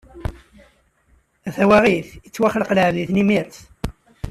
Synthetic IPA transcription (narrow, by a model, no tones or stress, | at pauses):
æθæwæʁiθət͡sːwaχləqləʕðiθnimiɾθ